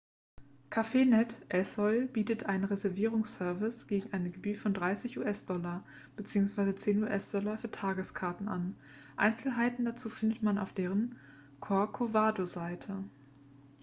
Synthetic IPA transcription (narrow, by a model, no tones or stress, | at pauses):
kʰafeːnɛtʔɛshɔlb̥iːtətʔaɪnənʁezɛɐviːʁʊŋssœɐvɪsɡ̥eːɡŋ̩ʔaɪnəɡəbyːtfɔndʁaɪsɪçʔṵːʔɛsd̥ɔlɐ | b̥ət͡siːʊŋsv̥aɪzət͡seːnuːʔɛsd̥ɔlɐfyːɐtʰaːɡəskʰaɐtn̩ʔa̰n | ʔa̰ɪnt͡sl̩ɦaɪtn̩dat͡suːfɪndətmana̰ʊfd̥eːʁən | kʰɔɐkʰovaːdozaɪtʰə